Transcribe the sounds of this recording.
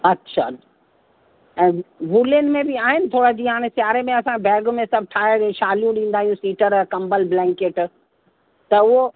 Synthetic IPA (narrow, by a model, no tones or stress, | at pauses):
ɐtːɕʰa | ɛ̃ːʋuːlənmẽbɪaːɦɪnɪ̆t̪ʰoːɾad͡ʑiːɦaːɽ̃esjaːɾemẽɐsãbɛːɡmẽsɐb̚ʱʈʰaːəɽʃaːlijũɗĩːn̆d̪aːɦijũsiːʈəɾkɐ̃mbəlblɛ̃ːŋkeːʈ | t̪ɐʊɦo